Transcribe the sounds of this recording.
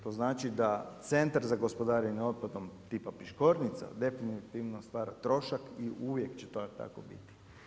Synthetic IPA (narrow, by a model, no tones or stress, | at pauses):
t̪o̞ːznaːt͡ʃid̪at̪se̞nt̪aɾzaɡospo̞d̪aːɾinio̞t̪̚pad̪omt̪iːpapiʃkoɾnit̪sa̰d̪e̞finit̪iʋnost̪ʋaːɾat̪ɾo̞ʃakiʔuʋjekt͡ɕet̪ot̪a̰kobḭt̪i̥